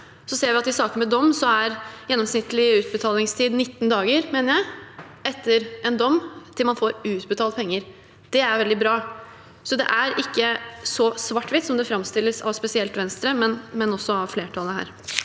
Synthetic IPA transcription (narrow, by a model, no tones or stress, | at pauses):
sɔseːɾʋɪɑt̪ɪsɑːkənmɛd̪ɔmːsɔæɾjɛnːɔmsnɪt̪ːəlɪʉːt̪̚bət̪ʰɑːlɪŋst̪ʰiːd̪nɪt̪ːnd̪ɑːɡəɾmeːnəɾjæɪɛt̪ʰːəɾʔɛnd̪ɔmːt̪ʰɪlmɑnfoːɾʉːt̪bət̪ʰɑːlt̪̚pʰɛŋːəɾ | d̪̥ɛæɾʋɛld̪ɪbɾɑː | sɔd̪ɛ̰ʔæɾɪkːəsɔsʋɑʈːʋɪt̪sɔmd̪ɛfɾɑmst̪ɪlːəsɑ̰ʋspɛsɪɛlt̪ʋɛnst̪ɾəmɛnmɛnɔsːɔɑʋfleːʈʰɑləɦæ̰ːɾ